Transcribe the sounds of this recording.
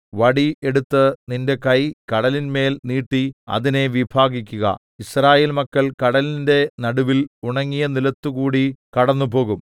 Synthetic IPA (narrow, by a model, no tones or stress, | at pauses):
ʋɐɽie̞ɽut̪ːɨninde̞kɐjkɐɽɐlinme̞ːlniːʈːiɐ̰ðine̞ʋibʱaːɡikʲːuɣɐ̰ | israːje̞ːlmɐkːɐɭkɐɽɐlinde̞nɐɽuʋiluɳɐŋːijɐnilɐt̪ːukuːɽikɐɽɐnːupo̞ːɣum